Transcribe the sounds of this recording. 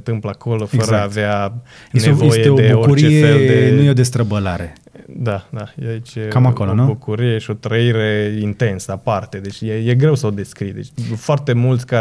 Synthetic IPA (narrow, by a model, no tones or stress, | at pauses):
nt̪ɨmpləako̞lo̞fəɾəavea | enevejeeod̪euourɾt͡ʃiefeeld̪enujeod̪est̪ɾəbəlaɾḛ | d̪ad̪ajeait͡ʃʲjekamakolonubukuɾijeʃio̞t̪ɾəiɾe̞int̪e̞nsəapart̪e̞d̪e̞t͡ʃʲjeje̞ɡɾe̞wsəo̞d̪e̞skɾijd̪et͡ʃʲfoart̪e̞mult̪sʲka